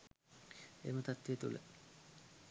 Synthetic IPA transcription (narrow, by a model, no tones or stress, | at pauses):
ḛmət̪at̪ʋiet̪ṵlə̰